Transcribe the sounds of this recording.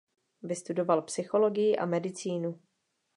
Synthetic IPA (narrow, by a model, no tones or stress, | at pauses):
vɪst̪udo̞valpsɪxo̞lo̞ɡɪjɪʔa̰mɛdɪt͡siːnu